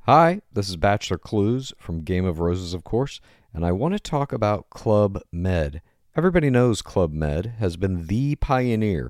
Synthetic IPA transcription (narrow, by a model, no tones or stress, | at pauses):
haɪðɪs̬ɨzbæt͡ʃl̩ˠə˞kʰl̥uz̥fɹʌ̃mɡẽɪ̃mʌvɹoʊzɨzʌv̥kʰɔɹs | ɨ̃naɪwɑ̃nɨtʰɔkəbaʊt̚kʰl̥ʌbmɛd | ɛvɹibɑɾinoʊz̥kʰl̥ʌb̚mɛ̰d̚ɨzbɨ̃nðɨpʰaɪɨnɪɹ